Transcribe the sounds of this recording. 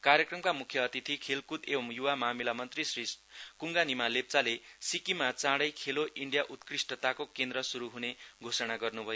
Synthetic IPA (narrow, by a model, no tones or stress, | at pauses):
kaɾjʌkrʌmkamukʰjʌːt̪it̪ʰikʰelkud̪ebʌmjuwamamilamʌnt̪risriskuŋɡanimalep̚t͡salesikimat͡sãɽʌjkʰeloʔiɳɖjaʔut̪krisʈʌt̪akokend̪ɾʌsuɾuɦuneɡʱosʌnaɡʌrnubʱʌjo